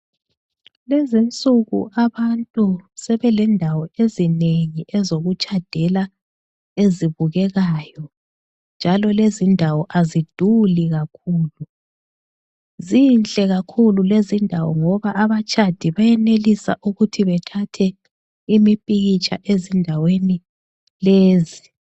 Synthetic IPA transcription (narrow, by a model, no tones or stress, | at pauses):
lezint͡sʼuɣṵʔaβantʼusɛβɛlɛndʱawɔezineŋiʔɛzoɣut͡ʃʼad̥ʱɛla | eziβuɣɛɣaːjɔ | nd͡ʒʱalɔlezindʱawɔʔazid̥ʱuliɣakʰuːlu | zint͡ɬʼɛɣakʰululezindʱawɔ̰ŋɔβaʔːβat͡ʃʼad̥ʱiβajɛnelisa̰ʔuɣutʰiβɛtʰatʰɛ | imipʼiɣit͡ʃʼa̰ʔezindʱaweni | leːzi